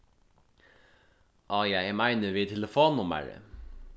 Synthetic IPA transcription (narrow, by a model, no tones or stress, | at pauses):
ʔɑːjæɪmæɪnəʋɪːt̪ʰɛləfoːnʊmə̰ɹə̰